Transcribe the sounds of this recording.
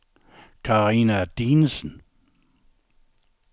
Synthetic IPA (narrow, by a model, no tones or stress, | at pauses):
kʰɑʁiːnæd̥iːnəsən̩